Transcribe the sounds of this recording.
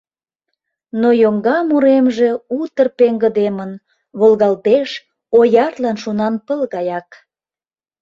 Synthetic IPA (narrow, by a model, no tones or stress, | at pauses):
nojoŋɡɑmuɾemʒe̽ut̪ərpeŋɡəd̪emən | βolɣɑlt̪eʃ | ojɑrlɑnʃunɑnpəlɣɑjɑk